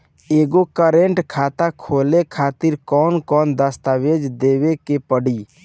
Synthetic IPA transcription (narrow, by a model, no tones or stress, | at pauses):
eːɡokəɾẽɳʈkʰaːt̪akʰoːlekʰaːt̪ɪɾkɔːnkɔːnd̪əst̪aʋed͡ʒd̪eːwekepəɽi